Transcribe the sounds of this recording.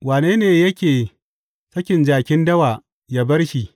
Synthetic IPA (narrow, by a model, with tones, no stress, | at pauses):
waː˨neː˦neː˨jɐ˦kʲeː˨ | sɐ˦kʲɪ˨nd͡ʒaː˨kʲɪ˦ndɐ˦waː˨ | jaː˦bɐ˦rʃi˨